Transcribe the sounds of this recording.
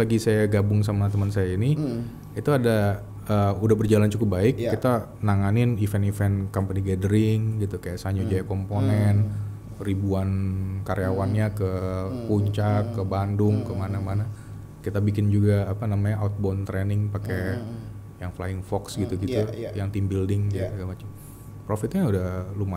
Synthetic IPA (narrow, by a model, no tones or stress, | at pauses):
laɡisajaɡabʊŋs̬amat̪əmənsajaini | it̪uada | əːudahbərd͡ʒalant͡ʃukʊp̚baɪkːit̪anaŋanɪnifɛnifɛnkɔmpəniɡadəɾɪŋɡit̪ukajaʔsaɲud͡ʒajakɔmponɛn | ribuankaɾejawanɲakəpuɲt͡ʃakːəbandʊŋkəmanamana | kit̪abik̬ɪnd͡ʒuɡaːpanamaɲaʔawt̪̚bɔnt̪ɾɛnɪŋpake | jaŋfla̰ɪŋfɔksɡit̪uɡit̪ujaŋt̪imbildɪŋɡit̪ukamat͡ʃam | pɾofɪt̪ɲaudahluma